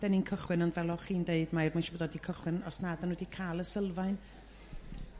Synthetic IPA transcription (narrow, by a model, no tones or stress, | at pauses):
d̥ɛninkʰəχwɪnənvɛlˠɔχiːndeɨd̥maɪrmanʃɔbədɔdikʰəχwɪnɔsnadanudikʰaːlˠəsəlˠvaɨn